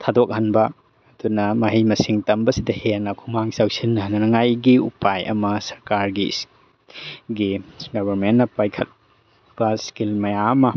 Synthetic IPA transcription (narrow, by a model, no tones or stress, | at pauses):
tʰadok̚hɐnbɐː | dunɐmɐɦijmɐsiŋtɐmbɐsidɐhenɐkʰumaŋsawsinːɐɦnɐnɐŋajɡiupajɐ̰mɐsɐɾkaɾɡḭs | ɡiɡɐbɐɾmentːɐpajkʰɐt̚ | b̥ɐskilmɐjaɐmɐ